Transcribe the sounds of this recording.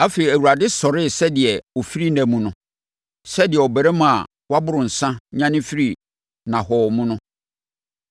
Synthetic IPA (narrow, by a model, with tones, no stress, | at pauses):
a˦fe˨ɾi˨æ˨wu˨ɾa˨dɪ˦sɔ˨ɾɪ˦˨sɛ˦dɪ˨ɛ˨o˨fi˦ɾi˦næ̃˨mũ˨nʊ̃˦ | sɛ˦dɪ˨ɛ˨ɔ˨bɛ˨ɾɛ˦mã˨a˨ | wa˦bʊ˦ɾʊ̃˨n̩˨sã˦ɲã˦nɪ̃˦fi˦ɾi˦˨ | nã˨hɔː˨mũ˦nʊ̃˦